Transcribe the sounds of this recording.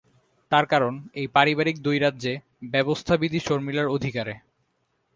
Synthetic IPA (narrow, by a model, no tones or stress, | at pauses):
t̪aɾkaɾonejpaɾibaɾik̚d̪ujɾad̪ːʑe | bɛbost̪ʰabid̪iʃoɾmilaɾod̪ʱikaɾe